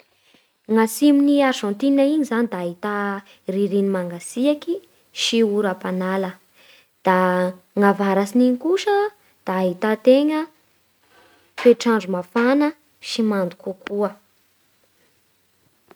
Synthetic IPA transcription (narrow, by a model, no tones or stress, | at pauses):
ŋasiminiaʃõnt̪inaiɲizanid̪aːɦit̪a | riɾinimaŋɡasiaki | ʃiuɾapanalə | d̪̥a | ŋavaɾasiniɲikuʃə | d̪̥aːɦit̪at̪eŋə | feʈ͡ʂaɳɖ͡ʐumafanə | ʃimand̪ukukʰuə